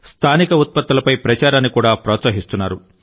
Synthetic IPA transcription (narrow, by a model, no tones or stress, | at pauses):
st̪ʰaːnikɐut̪̚pɐt̪ːɐlɐpɐjpɾɐt͡ʃaːɾaːnːikuːɽaːpɾɔːt̪sɐɦist̪unːaːɾu